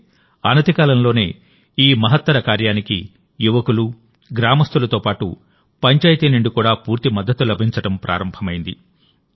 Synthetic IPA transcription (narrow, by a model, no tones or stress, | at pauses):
aːnɐt̪ikaːlɐmlo̞ːne̞ː | iːmɐɦɐt̪ːɐɾɐkaːɾjaːnikḭ | juʋɐkulu | ɡɾaːmɐst̪ulɐt̪o̞ːpaːʈṵ | pɐɲt͡ʃaːjit̪iːniɳɖukuːɽaːpuːɾt̪imɐd̪ʱːɐt̪ːulɐbʱiɲt͡ʃɐʈɐmpɾʔa̰ːɾɐmbʱɐmɐjind̪ḭ